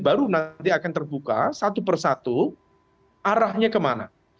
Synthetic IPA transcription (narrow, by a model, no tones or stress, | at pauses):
baɾunat̪iakant̪ərbuka̰sat̪up̬ərsat̪u | ʔaɾahɲakəmana̰